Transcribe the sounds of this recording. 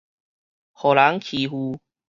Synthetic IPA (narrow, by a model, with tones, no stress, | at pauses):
hɔː˨˩laː˨˥ŋkʰiː˨ɦuː˧